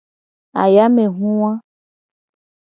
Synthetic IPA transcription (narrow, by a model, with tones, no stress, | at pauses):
a̰˨ja˦me˨ɦũ˦w̃ã˦